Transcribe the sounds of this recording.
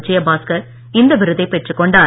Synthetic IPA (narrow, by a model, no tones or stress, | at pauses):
t͡ʃːɪjɐbaːskɐɾ | ɪnd̪ɐʋɪɾɯðɐɪpɛʈrɯkːɔɳɖaː